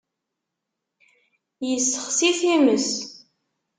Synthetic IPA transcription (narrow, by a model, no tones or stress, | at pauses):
jəsːəχsiθiməs